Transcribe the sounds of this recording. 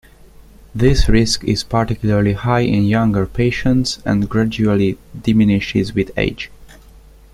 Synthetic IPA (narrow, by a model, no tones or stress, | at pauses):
ðɪsɹɪskɪ̰z̥paɹtikjul̩ˠəɹlihaɪʔɪ̰̃njãŋɡəɹpʰeɪʃə̃ntsɛ̰̃nɡɹad͡ʒulidɪmɪnɪʃɪzwɪðḛɪd͡ʒ